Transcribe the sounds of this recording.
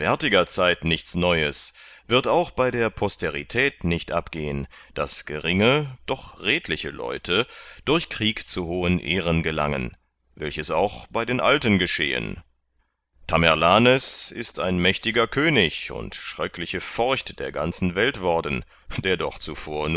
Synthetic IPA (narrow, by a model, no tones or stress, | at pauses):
vɛɐtɪɡɐt͡saɪtnɪçt͡snɔʏəsv̥ɪɐtaʊxb̥aɪdeːɐpʰɔstʰeʁitʰɛːtnɪçtʔapɡ̥eːənd̥asɡ̥əʁɪŋəd̥ɔχʁeːtlɪçəlɔ̰ʏtʰəd̥ʊɐçkʁ̥iːkt͡suhoːənʔeːʁənɡəla̰ŋən | vɛlçəsa̰ʊxb̥aɪdeːnʔaltənɡəʃḛːə̰n | tʰamɛʁlaːnɛsɪstʰa̰ɪnmɛçtɪɡɐkʰøːnɪçʊ̰ntʃʁ̥ɛklɪçəfɔɐçtd̥eːɐɡant͡sn̩vɛltv̥ɔɐdn̩ | d̥eːɐdɔ̰χt͡sufoːɐn